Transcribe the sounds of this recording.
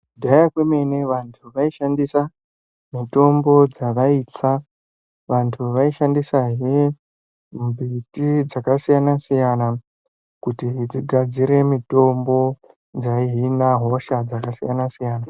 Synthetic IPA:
kudʱajakweme̞ne̞ʋantʰuʋaiʃandisa | mito̞mbo̞d͡zaʋaiːt͡sa | ʋantʰuʋaiʃandisaɦe | bʱitid͡zakasijanasijana | kutid͡ziɡʱad͡ziɾe̞mito̞mbo̞ | d͡zaiɦinaɦo̞ʃad͡zakasijanasijaːna

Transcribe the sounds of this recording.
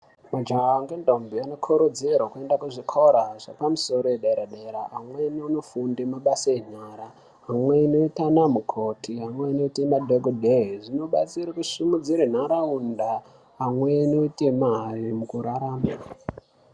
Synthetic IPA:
mad͡ʒaŋawaŋɡendombiano̞kʰoɾod͡zerwakue̞ndakuʐikʰo̞ɾaʐapamuso̞ɾo̞jeɗeɾaɗeɾaamweniuno̞fundemaɓasaen̤aːɾa | amweino̞itanamukʰo̞tʰiɦamweino̞itemadʱoɡʱodʱeiʐino̞ɓat͡siɾakuʂumud͡ziɾen̤aɾaundaː | mwenoitemaɦarimukuɾaɾaːma

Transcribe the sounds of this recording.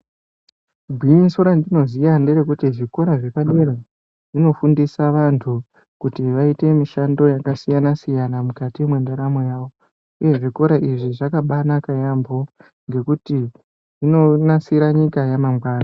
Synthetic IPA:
ɡʱiinsoɾandino̞zijanderekutiʐiko̞ɾaʐe̞paɗeɾa | ʐ̥ino̞fundisaʋantʰu | kutiʋaite̞miʃando̞jakasijanasijanamukatimwe̞ndaɾamojaːʋo̞ | uje̞ʐiko̞ɾaʔiʐiʐakaɓanakajambo̞ | ŋɡe̞kuti | ino̞nasiɾaɲikajamamɡwaːna

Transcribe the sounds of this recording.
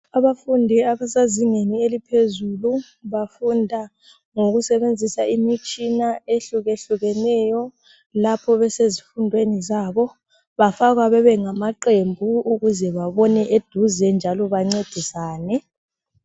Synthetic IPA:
aβafundʱiaβasaziŋenielipʰezulu | βafundʱa | ŋoɣusɛβend͡zʱisaimit͡ʃʼinaeɬuɣeɬuɣɛnɛjɔ | lapʰɔβɛsezifundʱwenizaːβɔ | βafaɣ̬waβɛβɛŋamaǃembʱuuɣuzɛβaβɔnɛʔed̥ʱuzɛnd͡ʒʱalɔβaŋ͡ǀed̥ʱisaːnɛ

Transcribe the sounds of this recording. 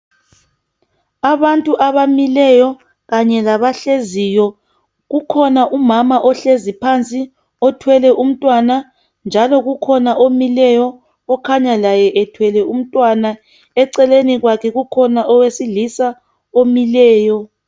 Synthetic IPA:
aβantʼuʔaβamilɛjɔ | ɣaɲɛlaβaɬezijɔ | ɣukʰɔnaʔumamaʔɔɬezipʰant͡sʼi | ɔtʰwɛlɛʔum̩tʼwana | nd͡ʒʱalɔɣukʰɔnaʔomilɛjɔː | kʰaɲalajɛʔɛtʰwɛlɛum̩tʼwana | ɛǀɛleniɣwakʰɛɣukʰɔnaʔɔwesiɮisa | omilɛːjɔ

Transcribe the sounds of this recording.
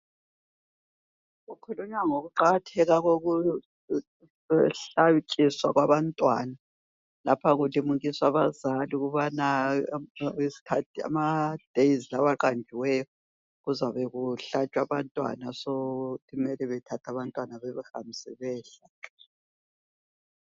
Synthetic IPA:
ɣukʰuluɲwaŋoɣuǃaɣatʰɛɣaɣoɣu | ɛɬakʼiswaɣwaβantʼwana | lapʰaɣulimuɣiswaβazaliuɣuβana | isi̥kʰatʰia̰mad̥ʱeizilaβaǃand͡ʒʱiwɛjɔ | ɣuzaβɛɣuɬat͡ʃʼwaβantʼwa̰nasotʼimɛlɛβɛtʰatʰaβantʼwanaβɛβɛxa̰m̩sɛβɛːɬa

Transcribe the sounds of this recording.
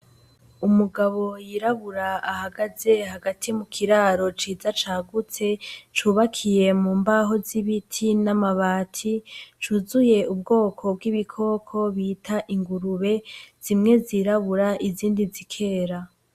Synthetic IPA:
umuɡaβo̞jiːɾaβuɾaahaɡaze̞haɡatʰimukʰiɾaːɾo̞t͡ʃiːzat͡ʃaːɡut͡se̞t͡ʃuːβakʰije̞muːmbaɦo̞ziβitʰinamaβaːtʰit͡ʃuːzuje̞ub̚ɡo̞ːkʰo̞b̚ɡiβikʰo̞ːkʰo̞βiːtʰaʔiŋɡuɾuβe̞z̥imŋe̞ziːɾaβuɾaʔiziːndizikʰe̞ːɾa

